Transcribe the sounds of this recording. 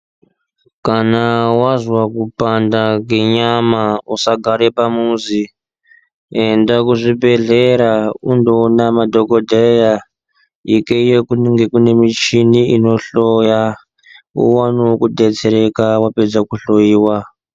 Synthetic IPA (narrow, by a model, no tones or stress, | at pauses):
kanawazwakupandaŋɡe̞ɲamausaɡʱaɾepamuzi | endakuʐibʱe̞ɮeɾaundonamadʱokodʱeja | ikeijekuŋɡekune̞mit͡ʃiniino̞ɬoja | ṵwanokudʱet͡seɾekawaped͡zakuɬojiːwa